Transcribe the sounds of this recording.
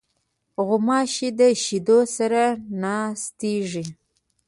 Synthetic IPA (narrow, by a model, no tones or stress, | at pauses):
ɣʊmɑʃid̪əʃid̪osaɾanɑst̪iʐi